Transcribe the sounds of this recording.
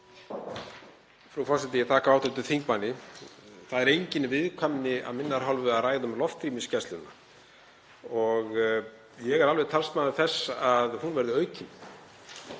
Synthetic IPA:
fɾawfɔrsɛt̪̬ɪjɛt̪ʰaːkavaːwt̪ɛt̪̬ʏθiŋkmanːɪ | θaðɛɾejɲcɪnvɪðkʰvamnɪa̰ðmɪnːaɾɦawlvʏaðraːjðʏmlɔft̪ɾiːmɪscɛst̪lʏnːa | ɔɣ | jɛɣɛɾalvɛt̪ʰalst̪maːðʏθɛsːaðhunvɛɾðʏœːɥcɪn

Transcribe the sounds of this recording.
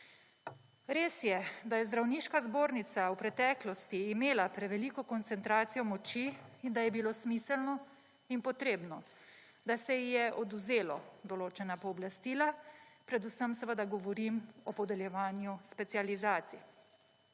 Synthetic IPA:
ɾeːsjɛd̪ajɛzd̪ɾawniːʃkazboːɾnit̪sawpɾɛt̪ɛːklɔst̪iːmeːlapɾɛʋɛlikɔkɔnt̪sɛnt̪ɾaːt̪sijɔmɔt͡ʃiːnd̪ajɛbilosmisɛlnɔ | inpɔt̪ɾeːbnɔ | d̪asɛjɛʔɔd̪uzeːlɔd̪ɔloːt͡ʃɛnapɔːblast̪iːlapɾɛd̪usəmsʋəd̪aɡɔʋɔɾimɔpɔd̪ɛljɛʋaːnjuspɛt̪sializaːt̪si

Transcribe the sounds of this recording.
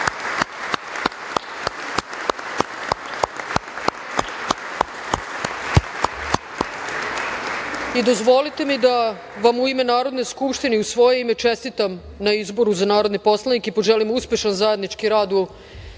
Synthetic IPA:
id̪o̞zʋo̞lit̪e̞mid̪a | ʋamuime̞naːɾo̞d̪ne̞skupʃt̪iniusʋo̞je̞ime̞t͡ʃe̞st̪it̪am | naizbo̞ɾuzanaːɾo̞d̪nipo̞slˠanikipo̞ʒelimuspe̞ʃanzaje̞d̪nit͡ʃkiɾaːd̪u

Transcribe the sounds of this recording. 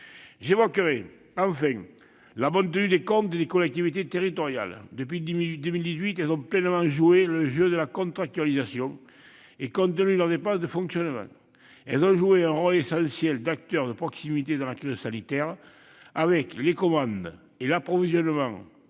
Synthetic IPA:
ʒevɔkəʁe | ɑ̃fɛ̃ŋ | labɔ̃nt̪̬ənyd̪ekɔ̃nt̪ed̪ekɔlɛk̚t̪ivit̪et̪eʁit̪ɔʁja̰ld̪əpɥid̪əmild̪izɥit̪ɛlzɔ̃plɛnəmɑ̃ŋʒueləʒød̪əlakɔ̃nt̪χak̚t̪ɥalizasjɔ̃ŋ | ekɔ̃nt̪̬ənylœʁd̪epɑ̃sd̪əfɔ̃ŋksjɔnəmɑ̰̃ŋ | ɛlzɔ̃ʒueɛ̃ʁɔlesɑ̃sjɛld̪ak̚t̪œʁd̪əpχɔksimit̪ed̪ɑ̃lakʁizəsanit̪ɛʁ | avɛklekɔmɑ̃nd̪ | elapχɔvizjɔnəmɑ̃ŋ

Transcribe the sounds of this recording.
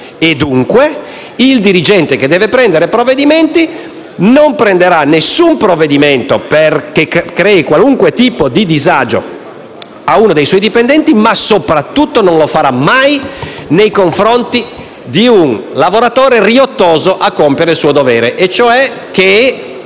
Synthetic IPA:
ed̪ːuŋkwe | ild̪iɾid͡ʒɛnt̪ek̟ed̪ɛːvepɾɛnd̪eɾepɾovːed̪imɛnt̪i | nompɾend̪eɾanesumpɾovːed̪iment̪operkekɾɛikwaluŋkwet̪iːpod̪id̪izad͡ʒo̰ | auːnod̪ejswɔjd̪ipɛnd̪ɛnt̪imasopɾat̪ːut̪ːononlofaɾamajnejkoɱfɾont̪i | d̪iunlavoɾat̪oːɾeriot̪ːoːzoʔakːompjeɾelsuːod̪ovɛːɾeʔet͡ʃːoɛk̟ːe

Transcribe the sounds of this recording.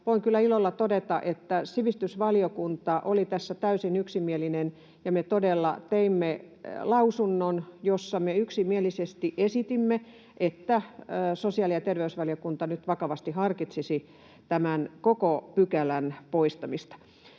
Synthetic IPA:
ʋoiŋkylːˑæilolːɑt̪odet̪ɑʔet̪ːæsiʋist̪ysʋɑliokunt̪ɑʔolit̪æsːæt̪æysinyksimielinen | jɑmet̪odelːɑ̰t̪eimːe | lɑusunːonjosːɑmeyksimielisest̪iʔesit̪imːe | ʔet̪ːæːsosiɑlijɑt̪erʋeysʋɑliokunt̪ɑnyt̪ʋɑkɑʋɑst̪ihɑrkit̪sisi | t̪æmænkokopykælænpoist̪ɑmist̪ɑ̥

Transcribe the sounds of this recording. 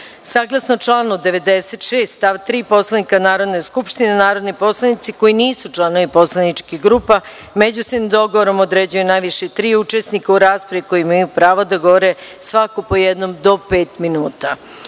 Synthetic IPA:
saːɡlˠasnot͡ʃlˠaːnod̪eʋe̞d̪ese̞t̪ʃeːst̪t̪aʋt̪ɾiːpo̞slˠanikanaːɾo̞d̪ne̞skupʃt̪inenaːɾo̞d̪nipo̞slˠanit̪siko̞jiniːsut͡ʃlˠano̞ʋipo̞slˠanit͡ʃkiɡɾuːpa | med͡ʑusimd̪o̞ɡoʋoɾo̞mod̪ɾed͡ʑujunajʋiʃet̪ɾiːut͡ʃesnikauɾaːspɾaʋiko̞jimajupɾaːʋod̪aɡoʋoɾe̞ | sʋakopo̞jed̪no̞md̪o̞peːt̪minuːt̪a

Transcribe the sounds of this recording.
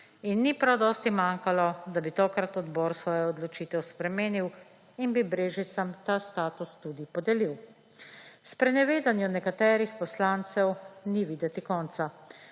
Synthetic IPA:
inːipɾawd̪ɔst̪imaːŋkalɔd̪abit̪ɔːkɾat̪ɔd̪bɔːɾsʋɔːjɛɔd̪lɔt͡ʃiːt̪ɛwspɾɛmeːniw | inbibɾeːʒit̪samt̪ast̪aːt̪ust̪ud̪ipɔd̪ɛliw | spɾɛnɛʋeːd̪anjɔnɛkat̪ɛːɾixpɔslaːnt̪sɛwniʋiːd̪ɛt̪ikɔːnt̪sa

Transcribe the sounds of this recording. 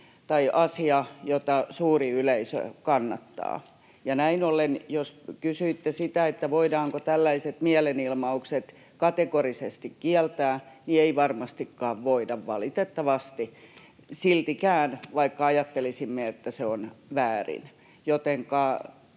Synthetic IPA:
t̪ɑiʔɑsiɑjot̪ɑsuːriyleisø̰kɑnːɑ̰t̪ːɑ̰ː | jɑnæinolenjoskysyit̪ːesit̪æet̪ːæʋoidɑːŋkot̪ælːæiset̪miɛlenilmɑukset̪ | kɑt̪ekorisest̪ikkiɛlt̪æːnieiʋɑrmɑst̪ikːɑːʋʋoidɑʋʋɑlit̪et̪ːɑʋɑst̪i | silt̪ikæːnʋɑikːɑɑjɑt̪ːelisimːeet̪ːæseonʋæːrḭn | jot̪eŋkɑː

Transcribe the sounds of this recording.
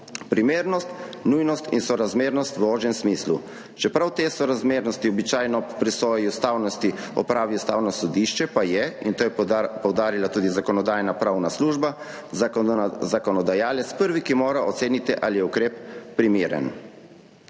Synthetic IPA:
pɾimeːɾnɔst̪nujnɔst̪insɔɾazmeːɾnɔst̪ʋɔːʒɛmsmiːslu | t͡ʃɛpɾawt̪eːsɔɾazmeːɾnɔst̪iɔbit͡ʃaːjnɔpɾisɔːjiust̪aːwnɔst̪iɔ̰pɾaːʋiust̪aːwnɔsɔd̪iʃt͡ʃɛpajɛint̪oːjɛpɔwd̪aːɾilat̪uːd̪izakɔnɔd̪aːjnapɾawnasluːʒba | zakɔnɔd̪ajaːlɛt̪spəɾʋikimoːɾaɔt̪seːnit̪iʔalijɛukɾeːppɾimeːɾɛ̰n

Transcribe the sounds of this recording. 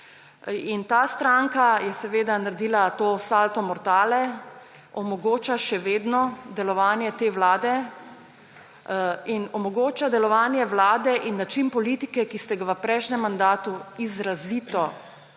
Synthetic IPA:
int̪aːst̪ɾaŋkajɛsɛʋeːd̪anaɾɛd̪iːlat̪oːsalt̪ɔmɔɾt̪aːlɛ | ɔmɔɡoːt͡ʃaʃɛʋeːd̪nɔd̪ɛlɔʋaːnjɛt̪eːʋlaːd̪ɛ | inɔmɔɡoːt͡ʃad̪ɛlɔʋaːnjɛʋlaːd̪ɛʔinːat͡ʃinpɔlit̪ikɛkist̪ɛɡaʋəpɾɛjʃnɛmːand̪aːt̪uizɾaziːt̪ɔ

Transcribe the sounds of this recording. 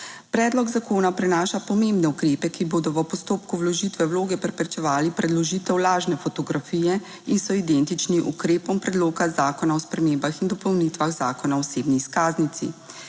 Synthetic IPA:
pɾɛːd̪lɔɡzakoːnapɾɛnaːʃapɔmembnɛukɾeːpɛkiboːd̪ɔʋəpɔst̪oːpkuwlɔʒit̪ʋɛwloːɡɛpɾɛpɾɛt͡ʃɛʋaːlipɾɛd̪lɔʒiːt̪ɛwlaːʒnɛfɔt̪ɔɡɾafiːjɛ | insɔid̪ɛnt̪it͡ʃniʔṵkɾeːpɔmpɾɛd̪loːkazaːkɔnaɔspɾɛmembaxind̪ɔpɔwnit̪ʋaɣzaːkɔnaɔseːbniːskaːznit̪sḭ

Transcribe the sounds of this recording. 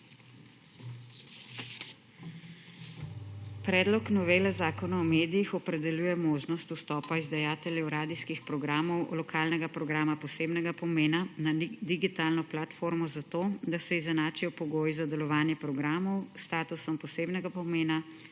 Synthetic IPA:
pɾɛːd̪lɔknɔʋeːlɛzaːkɔnaɔmeːd̪ijixɔpɾɛd̪ɛljuːjɛmoːʒnɔst̪ust̪ɔːpaizd̪ajaːt̪ɛlʲjɛwɾaːd̪iskixpɾɔɡɾaːmɔwlɔkʰaːlnɛɡapɾɔɡɾaːmapɔseːbnɛɡapɔmeːnanad̪iɡit̪aːlnɔplat̪foɾmɔzat̪oːd̪asɛizɛnaːt͡ʃijɔpɔɡoːjzad̪ɛlɔʋaːnjɛpɾɔɡɾaːmɔwst̪aːt̪usɔmpɔseːbnɛɡapɔmeːna

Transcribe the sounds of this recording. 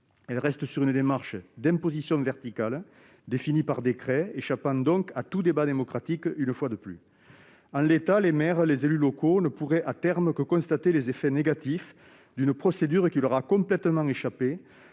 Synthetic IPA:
ɛlʁɛst̪əsyʁynəd̪emaʁʃəd̪ɛ̃mpozisjɔ̃vɛʁt̪ikal | d̪efinipaʁd̪ekχɛeʃapɑ̃d̪ɔ̃ŋkat̪ud̪ebad̪emɔkχat̪ikynəfwad̪əply̰ | ɑ̃let̪alemɛʁəlezelylɔkonəpuʁɛʔat̪ɛʁməkəkɔ̃st̪at̪elezefɛneɡat̪if | d̪ynəpχɔsed̪yʁəkʲilœʁakɔ̃mplɛt̪əmɑ̃ŋeʃape

